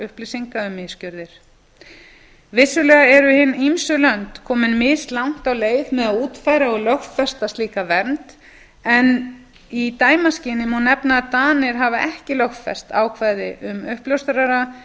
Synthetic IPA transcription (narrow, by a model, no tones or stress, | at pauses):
ʏhplɪsiŋkaʏmɪscœɾðɪɾ̥ | vɪsːʏlɛːɣaɛɾʏhɪnːimsʏlœnt̪kʰɔːmɪnmɪst̪lawŋ̥t̪awleːjðmɛðaðuːt̪faːjɾaɔɣlœxtfɛst̪ast̪liːkavɛnt̪ | ɛn | it̪aːjmascɪːnɪmhunːɛpnaat̪aːnɪɾ̥ɦavaʔɛhcɪlœxt̪fɛ̰st̪a̰ːwkʰvajðɪʔʏmʏhplœwst̪ʏɾaɾa